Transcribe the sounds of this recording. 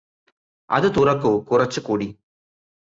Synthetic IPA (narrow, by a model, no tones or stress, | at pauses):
ʔɐ̰ðɯt̪ʊrɐkːukʊrɐt͡ʃːɯkːuːɽi